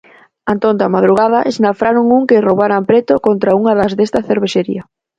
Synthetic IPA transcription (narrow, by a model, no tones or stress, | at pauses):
ant̪ont̪amað̞ɾuɣ̞að̞ɐʔesnafɾaɾoŋuŋkerowβaɾampɾet̪okont̪ɾauŋɐðɐzðest̪ɐθeɾβeʃeɾḭɐ